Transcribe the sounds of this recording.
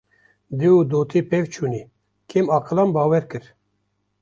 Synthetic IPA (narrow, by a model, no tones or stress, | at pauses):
d̪iud̪oːt̪ʰipʰevt͡ʃʰuːni | kʰemɑːqʰɨlɑmbɑːwɛɾkɨɾ